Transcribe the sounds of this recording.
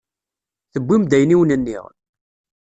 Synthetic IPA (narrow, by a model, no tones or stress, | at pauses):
θəbːimd̪æjniwnənːḭʁ